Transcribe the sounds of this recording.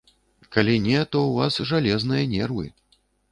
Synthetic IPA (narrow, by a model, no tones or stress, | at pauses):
kalʲinʲɛt̪ɔuvasʐalʲɛznɨjɐnʲɛrvɨ̰